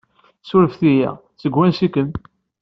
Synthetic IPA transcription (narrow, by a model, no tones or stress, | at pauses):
sʊɾəfθijæ̰ | t͡səɡwænsikən